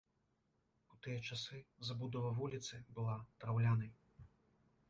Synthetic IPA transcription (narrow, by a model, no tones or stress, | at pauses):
ut̪ɨjɐt͡ʂasɨzabud̪ɔvɐvulʲit̪sɨbɨlˠat̪ɾawlʲanɐj